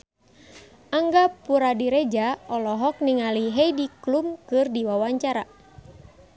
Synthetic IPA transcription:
aŋɡapuɾadiɾɛd͡ʒaɔlɔɦɔk̚niŋaliɦɛidiklumkɨrdiwawaɲt͡ʃaɾa

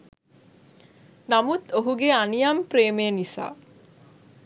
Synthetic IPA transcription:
namut̪oɦuɡeanijampɾeːmejənisa̰ː

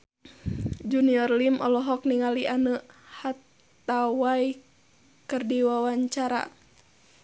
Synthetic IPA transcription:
d͡ʒuniɔrlimʔɔ̰lɔɦɔk̚niŋaliʔanəhat̪ | awai | kɨrdiwawaɲt͡ʃaɾa̰

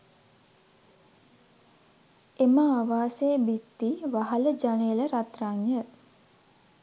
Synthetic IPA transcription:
eməaʋaːseːbit̪ːiʋaɦaləd͡ʒanejələɾat̪raŋjə

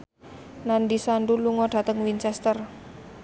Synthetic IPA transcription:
nandisanduluŋɔɖ̥a̤t̪əŋwint͡ʃɛst̪ər

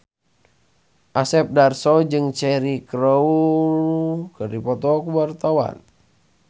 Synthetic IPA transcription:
ʔasɛp̚darsɔd͡ʒɨŋt͡ʃɛɾikɾɔu | kɨrdipɔt̪ɔkuwart̪awa̰n

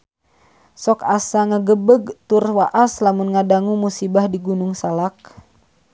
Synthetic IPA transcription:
sɔkasaŋəɡəbəɡt̪urwaʔaslamunŋadaŋumusibahdiɡunuŋsalak̚

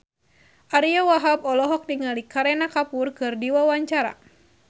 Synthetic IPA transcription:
ʔaɾiawaɦabɔlɔɦɔk̚niŋalikaɾɛnakapurkɨrdiwawaɲt͡ʃaɾa̰

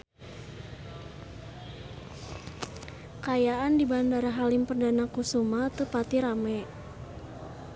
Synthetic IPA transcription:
kajaʔandibandaɾaɦalɪmpərdanakusumat̪əpat̪iɾamɛ

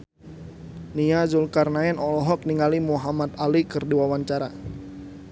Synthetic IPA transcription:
niazulkarnaɛnɔlɔɦɔk̚niŋalimuɦamat̪alikɨrdiwawaɲt͡ʃaɾa

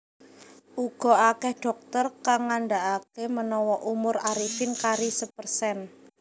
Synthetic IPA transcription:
ʔuɡ̥ɔ̤akɛhɖ̥ɔ̤k̚t̪ərkaŋanɖaʔakemənɔwɔʔumʊɾaɾifɪnkaɾisəpərsɛn

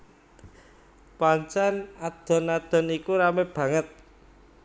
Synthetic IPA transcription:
paɲt͡ʃanad̪̥ɔ̤nad̪̥ɔ̤nikuɾameb̥ä̤ŋət̪̚

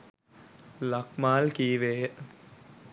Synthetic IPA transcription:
lakmaːlkiːʋeːə

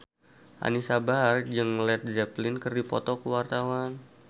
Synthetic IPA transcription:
ʔa̰nisabard͡ʒɨŋlɛt̪̚d͡ʒɛplɪnkərdipɔ̰t̪ɔkəwart̪awan

